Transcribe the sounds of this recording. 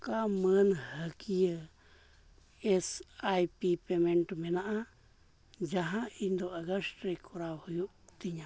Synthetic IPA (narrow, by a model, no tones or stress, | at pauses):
kamə̃nhəkiə | esajpipemẽɳʈumẽnãʔa | d͡ʒaɦãind̪oʔaɣaʂɾekʰuɾawhuju | t̪iɲã